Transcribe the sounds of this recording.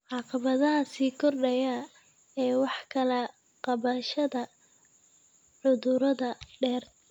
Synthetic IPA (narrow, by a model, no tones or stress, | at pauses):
ʕɑːqɑβɐðɐɦɐsiːkʰɔrɖɐjɐ | ɛːwɑħkʰɐlɐ | qɑβɐʃɐðɐ | ʕʊðʊɾɐðɐɖɛːrt̪